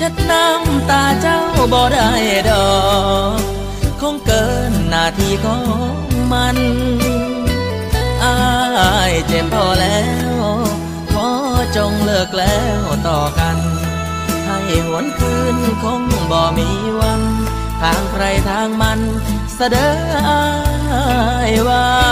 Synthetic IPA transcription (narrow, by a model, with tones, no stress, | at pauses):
t͡ɕe˧˥t̪̚na˧˥mt̪aː˧t͡ɕa˧˥wbɔː˨˧˩da˧˩jdɔː˨˩ | kʰo˧˥ŋkɤː˧nːaː˧˩t̪ʰiː˧kʰɔː˧˥ | ma˧n | ʔaː˧jt͡ɕe˨˩mpʰɔː˧lɛː˦˧˥w | pʰɔː˧˥t͡ɕo˧ŋlɯ˧˩ək̚lɛː˦˥wt̪ɔː˨˩ka˧n | t̪ʰaː˧˩ŋʔi˨˩hu˨˩˦ənkʰɯː˧nkʰo˧˥ŋbɔː˨˩miː˧˩ | wa˧˥n | t̪ʰaː˧˩ŋkʰɾa˧˩jt̪ʰaː˧˥ŋma˧n | sa˧dɤː˨˧˦ | ʔaː˧ | jwaː˧˥